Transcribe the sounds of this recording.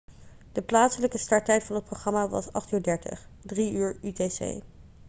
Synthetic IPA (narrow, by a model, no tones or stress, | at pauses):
d̥əplaːtsələkəstɑɹtɛjtfɑnɦət̚proχrɑmaʋɑ̰sɑ̰χtyːɹdɛɹtə̰χdriyːɹytesḛj